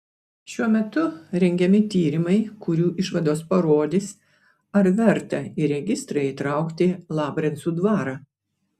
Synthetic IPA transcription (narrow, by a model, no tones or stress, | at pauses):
ʃʲuɔmʲɛt̪ʊɾʲɛŋʲɡʲɛmʲɪt̪ʲiːɾʲɪmɐɪkʊɾʲuːʔɪʃʋɐd̪oːspɐɾoːd̪ʲɪs | ɐɾʋʲɛɾt̪ɐiɾʲɛɡʲɪst̪ɾɐɪit̪ɾɑˑʊkt̪ʲɪlˠɑːbɾʲɛnsuːd̪ʋɑːɾɑː